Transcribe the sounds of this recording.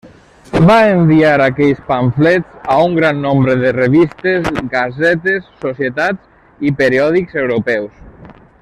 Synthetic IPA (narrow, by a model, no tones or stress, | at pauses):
baemɱbiaɾakɛʎspaɱflɛt͡sauŋɡɾanːombɾəðereβist̪ezɡazɛt̪esːosjet̪az | ipeɾiɔðikzewɾopɛws